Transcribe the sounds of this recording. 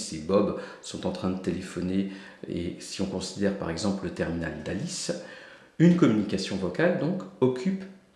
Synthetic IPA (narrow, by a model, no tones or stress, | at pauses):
sebɔbsɔ̃t̪ɑ̃t̪χɛ̃d̪ət̪elefɔne | ḛsiɔ̃kɔ̃sid̪ɛʁpa̰ʁɛɡzɑ̃pllət̪ɛʁmina̰ld̪alis | ynkɔmynikasjɔ̃vɔkald̪ɔ̃kɔkʲʰyp